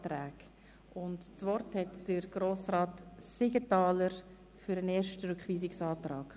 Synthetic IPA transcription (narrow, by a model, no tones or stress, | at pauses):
tɾɛːɡ | ʊntt͡svɔrthɛtd̥əɾɡ̥ɾoːsraːtsɪɡətɑːləɾ | fyɾəneːɾʃtəɾʏkχʋiːsɪksɑːtɾɑːɡ̥